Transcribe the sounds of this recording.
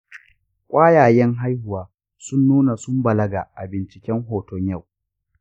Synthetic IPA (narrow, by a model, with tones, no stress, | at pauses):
kʷʼaː˦jaː˨jɛ˦ŋɦa˦jhʊ˨waː˦ | sʊ˦nːuː˦na˨sʊ˦mbɐ˨lɐ˦ɡa̰˨ʔa̰˨bɪ˨nt͡ʃɪ˨kʲɛ˦ŋɦoː˨tɔ˦ɲja˦˨w